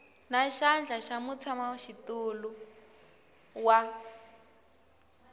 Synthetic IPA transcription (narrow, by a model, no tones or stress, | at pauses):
naʃand͡ɮʱaʃamut͡sʰamaʃitulu | wa